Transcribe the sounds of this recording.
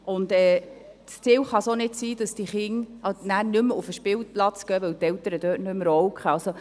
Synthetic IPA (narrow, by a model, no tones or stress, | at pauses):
ʊnd̪ɛː | st͡siːwχɑsonɪtsiːd̥ɑsd̥iχɪŋɑnæːɾnʏmʊfəʃpɪlplɑt͡sɡ̥œːʋœwt̪ɛltəɾəd̥øːtnʏməɾɔwkχəɑlso